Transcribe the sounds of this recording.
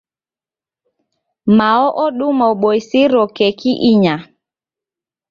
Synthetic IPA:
maɔʔɔɗumɔɓojsiɾɔkekiʔiɲa

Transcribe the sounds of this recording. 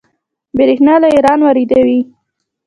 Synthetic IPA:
bɪɾexnɑlaeɾɑnwaɾid̪awi

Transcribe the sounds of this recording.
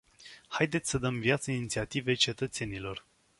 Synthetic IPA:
hajd̪e̞t̪sʲsəd̪əmvijat̪səinit̪siat̪ive̞t͡ʃe̞t̪ət̪se̞nilo̞r

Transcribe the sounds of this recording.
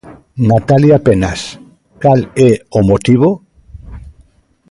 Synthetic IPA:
nat̪aljapenas | kaleomot̪iβ̞o

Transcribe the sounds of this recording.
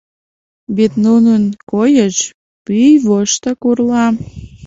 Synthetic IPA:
βet̪nununkojəʃ | pyjβoʃt̪əkurlɑ

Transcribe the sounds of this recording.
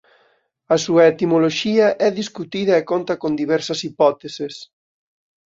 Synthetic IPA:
ɐsuɐet̪imoloʃiɐʔɛðiskut̪iðɐekont̪ɐkond̪iβɛɾsɐsipɔt̪esɪs

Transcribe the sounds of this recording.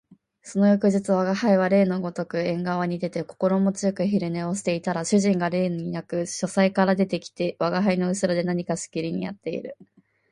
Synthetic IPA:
so̞no̞jokɯ̟ʑit͡sɨβaɡahaiβ̞aɾe̞ːnoɡo̞t̪o̞kɯ̟ẽ̞ŋɡaβ̞aɲ̟id̪e̞t̪e̞ko̞ko̞ɾo̞mo̞t͡sɨjokɯ̟çiɾɯ̟ne̞o̞ɕi̥t̪e̞it̪aɾaɕɨʑĩŋɡaɾe̞ːnɲ̟inakɯ̟ɕo̞saikaɾad̪e̞t̪e̞kʲi̥t̪e̞βaɡaɦaino̞ɯ̟sɨɾod̪e̞naɲ̟ikasɨ̥kʲiɾʲiɲ̟ḭja̰t̪ːe̞ḭɾɯ̟

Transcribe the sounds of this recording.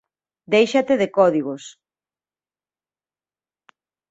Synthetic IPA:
d̪ejʃat̪eðekɔðiɣos

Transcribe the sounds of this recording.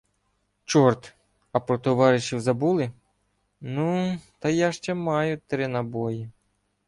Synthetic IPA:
t͡ʃɔrt̪ | ɐpɾɔt̪ɔʋɑɾɪʃiwzɐbulˠɪ | nut̪ɐjaʃt͡ʃɛmɑjʊt̪ɾɪnɐbɔji

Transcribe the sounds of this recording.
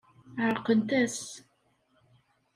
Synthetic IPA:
ʕaɾqənt̪æs

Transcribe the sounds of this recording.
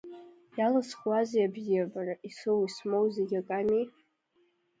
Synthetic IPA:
jalasχwazjabzijabaraʔisowismowzeɡʲakʼami

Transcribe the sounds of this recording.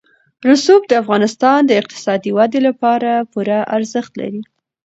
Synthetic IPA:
ɾʊsub̚d̪əafɣɑnɪst̪ɑnd̪əɪq̚t̪ɪ̥sɑd̪iwad̪elapɑɾapuɾaʔaɾzəxt̪la̰ɾi

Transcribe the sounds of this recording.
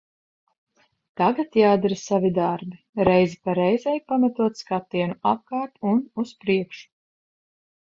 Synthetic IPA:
t̪aɡat̪jaːd̪ɛɾasavid̪aɾbi | ɾɛjzipaɾɛjzɛjpamat̪uɔt̪skat̪ːiɛnuap̚kaːɾt̪unuspɾiɛkʃu̥

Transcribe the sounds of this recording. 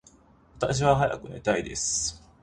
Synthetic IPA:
βat̪aɕ̬iβaɦaja̰kɯ̟nait̪aid̪e̞̰sɨ̥

